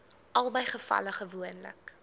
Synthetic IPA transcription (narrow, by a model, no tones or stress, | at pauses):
ʔɐlˠbəjχəfɐ̰ləχəvuənlə̰k